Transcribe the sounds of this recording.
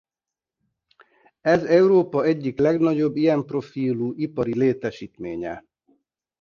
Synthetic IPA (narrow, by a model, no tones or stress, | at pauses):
ɛzɛuɾoːpɒɛɟːiklɛɡnɒɟo̞bːijɛmpro̞fiːluːʔipɒɾileːt̪ɛʃiːt̪mḛːɲɛ̰